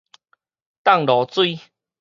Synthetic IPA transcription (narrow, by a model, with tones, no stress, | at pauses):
t̪a˥˨ŋlɔ˨t͡swi˥˧